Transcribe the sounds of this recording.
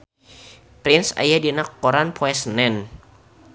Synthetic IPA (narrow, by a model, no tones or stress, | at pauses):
pɾinsa̰jadinakːɔɾanpʰɔɛsnɛn